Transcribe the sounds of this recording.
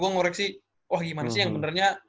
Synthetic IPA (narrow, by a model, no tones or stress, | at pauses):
uaŋɔɾɛksi | wahɡimanasijaŋbənərɲa